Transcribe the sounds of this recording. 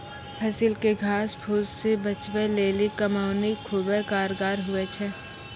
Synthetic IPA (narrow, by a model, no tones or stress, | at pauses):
pʰɛsɪlkeɡʱaːsbʱuːzsebɐt͡ʃbeleːlikɐmaːʊnikʰuːbɛkaːɾɡaːɾɦʊɛt͡ʃʰɛː